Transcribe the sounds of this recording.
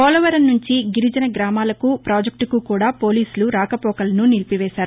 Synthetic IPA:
ɔːlɔʋɐɾɐnːuɲt͡ʃiɡiɾud͡ʒɐnɐɡɾaːmaːlɐkupɾaːd͡ʒɐk̚ʈukukuːɽaːpoːliːsuluɾaːkɐpɔːkɐlɐnunilpiʋɛːʃaːɾu

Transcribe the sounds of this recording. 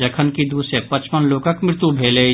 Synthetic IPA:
ɐkʰənkid̪uːsjək̚pɐt͡ʃpənloːkəkmɾɪt̪ubʱeːle

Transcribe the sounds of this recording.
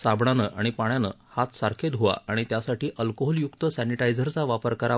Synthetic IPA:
sabɳanəːʔaɽ̃ipaɳ̃janə̰ | hat̪saɾkʰed̪ʱɦoʋa̰aɽ̃it̪jasaʈiːʔəlkoɦɔljukt̪əsæniʈajd͡zəɾt͡saʋapəɾkəɾa

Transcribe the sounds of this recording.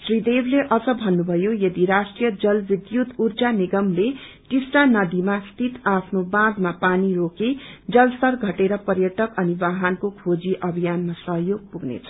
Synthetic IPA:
srid̪ebleʔʌd͡zʌbʱʌnːubʱʌjojʌd̪iɾasʈrijʌd͡zʌlbid̪jut̪urd͡zaniɡʌmle | ʈisʈanʌd̪imast̪ʰit̪apʰnobãd̪mapaniroked͡zʌlsʌrɡʱʌʈeɾʌpʌrjʌʈʌkʌnibaɦankokʰod͡ziʔʌbʱijanmasʌɦjoɡ̚puɡnḛt͡sʰʌ̥

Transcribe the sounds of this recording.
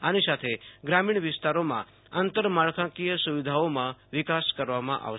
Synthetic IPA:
anisat̪ʰeɡɾamiɳ̃ʋɪst̪aɾomã̰ | ənt̪əɾmaɭkʰãkijəsuʋid̪ʱaomãʋɪkaskəɾʋamã̰ʔa̰ʋʃ

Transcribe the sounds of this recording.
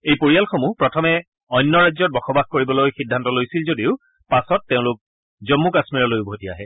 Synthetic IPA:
ejpoɹijalxomupɹɔtʰɔmɛ | ɔjnːɔɹajzɔt̚bɔxɔbaxkoɹibɔlojxidʱːantɔlojsilzodiʊ | pasɔtːeʊ̃lʊk̚ | zɔmːukasmiɹɔlojubʱotia̰ɦɛ

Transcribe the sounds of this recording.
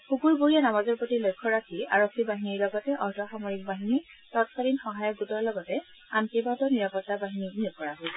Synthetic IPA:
xukuɹbuɹijanamazɔɹpotilojkʰːɔɹakʰiaɹokʰːibaɦiniɹlɔɡɔtɛʔɔɹdʱaxamɔɹik̚baɦinitɔtkalinxɔɦajɔk̚ɡutɔɹlɔɡɔtɛ | antibatɔniɹapɔtːabaɦininiukɔɹaɦo

